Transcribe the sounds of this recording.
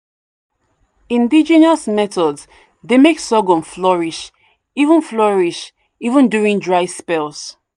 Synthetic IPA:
ĩndid͡ʒinasmɛtɔds | demeksɔɡɔ̃nflɔɹiʃ | ivə̃nflɔɹiʃ | ivə̃ndjuɹĩŋdɹaɪspɛlˠs

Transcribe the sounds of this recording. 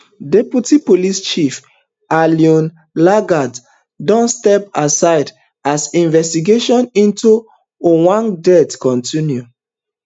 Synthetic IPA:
deputipolist͡ʃif | aliɔ̃n | laɡad | dɔ̃nstɛpasaɪd | asĩnvɛstiɡeʃɔ̃nĩntu | owãŋdɛtkɔ̃ntĩnju

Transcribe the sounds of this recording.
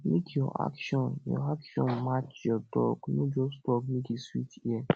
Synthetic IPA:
mẽkjɔʔa̰kʃɔ̃njɔ̰akʃɔ̃nmat͡ʃjɔdɔɡnõd͡ʒɔstɔkmĩkiswitiɛ

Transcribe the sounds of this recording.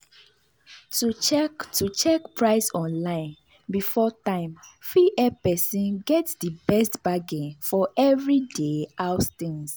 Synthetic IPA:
tuktʰut͡ʃɛkpʰɹaɪsɔ̃nlãɪ̃n | bifɔtãɪ̃mfiʔɛpɛsĩnɡɛtsdəbɛstb̥aɡɛ̃nfɔʔɛvɹideaʊst̪ĩns

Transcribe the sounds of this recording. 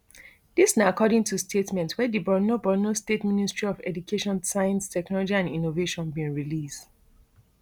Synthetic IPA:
disnaakɔdɪ̃ŋtʰustʰetmɛ̃ntwɛdibɔnobɔnostetministɹ̥iɔvɛ̰dukʰeʃɔ̃nsajãnstʰɛknɔlɔd͡ʒiãnĩnoveʃɔ̃nbĩnɹilist

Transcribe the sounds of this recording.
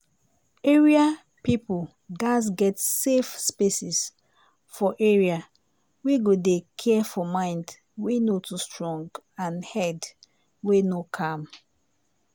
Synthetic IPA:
eɹia | pipol | ɡasɡɛtsefspesis | fɔʔeɹia | wiɡodekʰɛfɔmãɪ̃nd | wenotʰustɹɔ̃ŋɡãnhɛd | wenokʰãm

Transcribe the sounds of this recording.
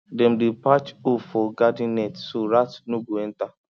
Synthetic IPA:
dem̩dɪpat͡ʃufɔɡadinɛtsoɾatnuɡuen̩ta

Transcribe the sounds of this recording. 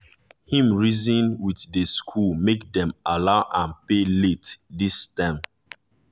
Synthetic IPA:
hĩmɹizĩnwiθdəskʰulmek̚dɛ̃malaʊʔãnpeletdistãm

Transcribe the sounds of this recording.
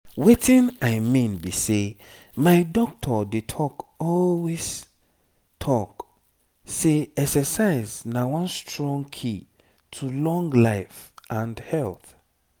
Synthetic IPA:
wetĩnaɪmĩnbise | maɪdɔk̚tʰɔdetʰɔkɔlwes | tʰɔk | seɛksɛsaɪznawɔ̃nstʰɹɔ̃ŋkʰi | tʰulɔ̃ŋɡlaɪfʔãndhɛlθ

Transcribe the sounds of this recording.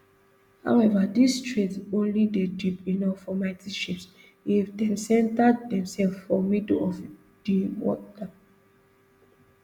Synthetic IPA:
ha̰wɛvadistʰɹetõnlidedipinɔffɔmaɪtiʃips | ifdɛ̃nsɛ̃ntad̚dɛ̃msɛlffɔmidəlɔv | d̥iwɔ̰ta

